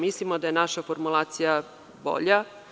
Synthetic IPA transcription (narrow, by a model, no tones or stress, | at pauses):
mislimod̪ajenaʃafoɾmulˠaːt̪sija | bo̰ʎa